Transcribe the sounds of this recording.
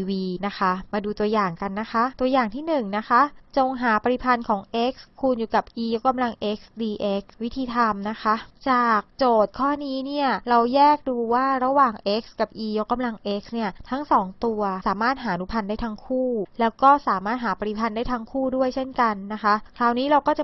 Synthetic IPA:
wiː˧na˦˥xʰa˦˥maː˧duː˧t̪u˧ɐjaː˨˩ŋka˧nːa˦˥xʰa˦˥t̪u˧ɐjaː˨˩ŋt̪ʰiː˥˩nɯ˨˩ŋna˦˥kʰa˦˥t͡ɕo˧ŋɦaː˩˦pa˧t̪i˧˦pʰa˧nkʰɔː˩˦ŋʔe˦˥k̚skʰu˧njuː˨˩ka˨˩p̚ʔiː˧jo˦˥k̚ːa˧mla˧ŋʔe˦˥k̚sdiː˧ʔe˦˥k̚wi˦˥t̪ʰiː˧t̪ʰa˧mna˦˥xʰa˦˥t͡ɕaː˨˩k̚t͡ɕoː˨˩t̪̚kʰɔː˥˩niː˦˥ni˥˩ɐɾa˧wjɛː˥˩k̚duː˧waː˥˩ɾa˧waː˨˩ŋʔe˦˥k̚ska˨˩p̚ʔiː˧jo˦˥kːa˧mla˧ŋʔe˦˥k̚sni˥˩ɐt̪ʰa˦˥ŋsɔː˩˦ŋt̪u˧ɐsaː˩˦maː˥˩t̪̚ɦaː˩˦ʔnu˦˥pʰa˧ndaː˥˩jt̪ʰa˦˥ŋkʰuː˥˩lɛː˦˥wkɔː˥˩saː˩˦maː˥˩t̪̚ɦaː˩˦pa˧i˨˧pʰa˧ndaː˥˩jt̪ʰa˦˥ŋkʰuː˥˩du˥˩əjt͡ɕʰe˥˩nka˧nːa˦˥xʰa˦˥kʰlaː˨˩wniː˦˥ɾa˧wkɔː˥˩t͡ɕa˨˩

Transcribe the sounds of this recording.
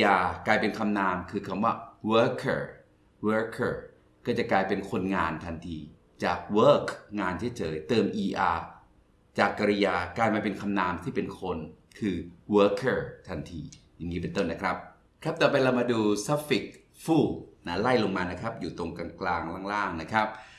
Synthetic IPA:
jaː˧klaː˧jpe˧nkʰa˧mnaː˧mkʰɯː˧kʰa˧mwaː˥˩wəː˦˥kʰəː˥˩ | wɤː˦˥kʰəː˥˩ | kɔː˥˩t͡ɕa˨˩klaː˧jpe˧nkʰo˧nŋaː˧nt̪ʰa˧nt̪ʰiː˧ | t͡ɕaː˨˩k̚wəː˦˥kʰŋaː˧nt͡ɕʰa˦˥˩t͡ɕɤː˧jt̪ɤː˧mʔiː˧ʔaː˧ | t͡ɕaː˨˩kːa˧ɾi˦˧jaː˧klaː˧jmaː˧pe˧nkʰa˧mnaː˧mt̪ʰiː˥˩pe˧nkʰo˧n | kʰɯː˧wɤː˦˥kʰːəː˥˩t̪ʰa˧nt̪ʰiː˧ja˨˩ŋːiː˦˥p̬e˧nt̪o˥˩nːa˦˥kʰɾa˦˥p̚ | kʰɾa˦˥p̚t̪ɛː˨˩p̬a˧jla˧wmaː˧duː˧sa˦˥fi˨˩k̚ | fuː˥˩na˦˥la˥˩jlo˧ŋmaː˧na˦˥kʰɾa˦˥p̚juː˨˩t̪o˧ŋkaː˧nklaː˧ŋla˥˩ŋlaː˥˩ŋna˦˥kʰɾa˦˥p̚

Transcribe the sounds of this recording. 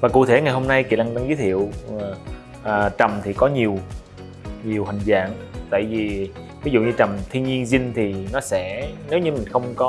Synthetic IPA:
vaː˨˩kṵ˧˨t̪ʰe˧˩ŋa˨˩jhɦo˧mna˧jkḭ˧˨la˧ŋɗa˧ŋzəː˨˦t̪ʰḭ˧˨əw | ʔəː˨˩t͡ɕə˨˩mt̪ʰi˨˩kɔ˨˦ɲi˨˩əw | ɲi˨˩əwɦa˨˩jŋ̟za̰ː˧˨ŋt̪a̰ː˧˨jvi˨˩ | vi˨˦zṵ˧˨ɲɨ˧t͡ɕə˨˩mt̪ʰi˧ənɲi˧ənzï˧ŋt̪ʰi˨˩nɔ˨˦sɛ̰˧˥ne˨˦wɲɨ˨˧mi˨˩ŋ̟xə˧wŋ͡mkɔ˨˦

